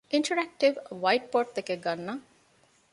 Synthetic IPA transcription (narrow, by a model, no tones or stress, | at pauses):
iɳʈɐɾæk̚ʈiʋʋɐjʈ̚poːʈ̚d̪ekeɡɐnːɐ